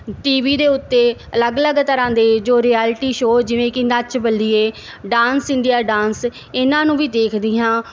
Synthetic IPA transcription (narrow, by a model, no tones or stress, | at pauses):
ʈiːʋiːd̪eːʊt̪ːeːələɡələɡt̪əɾãːd̪eːd͡ʒoːɾiːɛːlʈiːʃoːd͡ʒɪʋẽːkɪnət͡ʃbəlːiːeː | ɖaːnsɪ̃nd̪ijaːɖãːns | ɪnãːnũːʋiːd̪eːkʰd̪ɪːɦãː